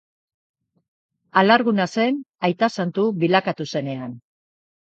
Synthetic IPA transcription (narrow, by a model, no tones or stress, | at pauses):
alaɾɣunase̞najt̪asant̪uβilakat̪use̞ne̞an